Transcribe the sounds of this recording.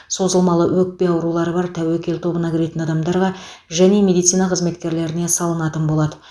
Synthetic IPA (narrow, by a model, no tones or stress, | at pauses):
so̞zəlˠmɑlˠəwɵk̚pe̞jɑwɾulˠɑɾəbɑɾt̪ʰæwekʲe̞lt̪ʰo̞bənɑkʲʰɪɾe̞t̪ɪnɑd̪ɑmd̪ɑɾʁɑʒæne̞mʲe̞d̪ijt̪sijnɑqʰəzme̞t̪kʲe̞ɾle̞ɾɪne̞sɑlˠənɑt̪ənbo̞lˠɑd̪ə